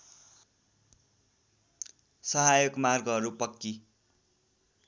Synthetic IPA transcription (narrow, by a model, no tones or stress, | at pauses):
sʌɦajoɡmarɡʌʌɾupʌkːi